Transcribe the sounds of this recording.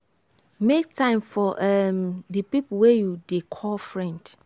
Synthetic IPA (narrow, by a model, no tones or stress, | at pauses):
mek̚tʰãɪ̃mfɔʔamdəpipwɛjudekʰɔlfɹɛ̃nd̥